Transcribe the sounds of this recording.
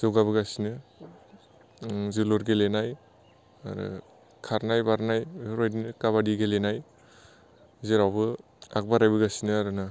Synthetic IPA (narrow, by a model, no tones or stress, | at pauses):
zɯwɡaβɯɡasinɯ | ziloɾɡelenaj | a̰ɾɯ̰ | kʰaɾnajbaɾnajɾojdinɯkaβadiɡelenaj | zeɾawbɯ | a̰k̚baɾajbɯɡasinɯaɾɯna